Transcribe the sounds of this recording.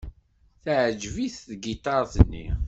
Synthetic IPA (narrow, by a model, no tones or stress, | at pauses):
θʕd͡ʒviθðɡit̪ɑɾˤθənːḭ